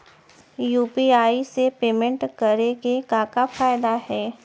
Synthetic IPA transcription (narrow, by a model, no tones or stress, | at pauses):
juːpiaːisepeːmə̃ɳʈkɐɾeɡekãːkafaːɪd̪ahɛː